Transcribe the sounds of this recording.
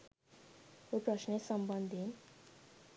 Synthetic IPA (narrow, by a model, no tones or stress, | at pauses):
oprʌsnesʌmbʌnd̪ʱin